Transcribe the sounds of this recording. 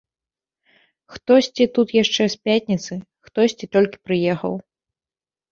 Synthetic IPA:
xt̪ɔsʲt͡sʲit̪ut̪jaʂt͡ʂɛsʲpʲatʲnʲit̪sɨxt̪ɔsʲt͡sʲit̪ɔlʲkʲi̥pɾɨjɛxɐ̰w

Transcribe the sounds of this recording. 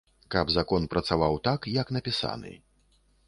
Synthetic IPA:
kabzakɔnpɾɐt̪savawt̪akjɐknɐpʲisa̰nɨ̰

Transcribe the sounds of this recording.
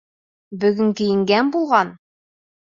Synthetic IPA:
bɵ̆ɡɵ̆ŋkĭjɘ̆ŋɡænbulˠʁɑn

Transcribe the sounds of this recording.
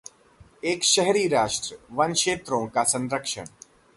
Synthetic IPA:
eːkʃɛɦɾiːɾaːʃʈɾəʋɐnʃeːt̪ɾõkasɐ̃nɾəkʃə̰ɳ̃

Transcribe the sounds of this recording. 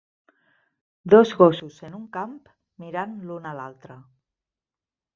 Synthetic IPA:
d̪ozɣosusenuŋkamp | miɾanlunalalˠt̪ɾə

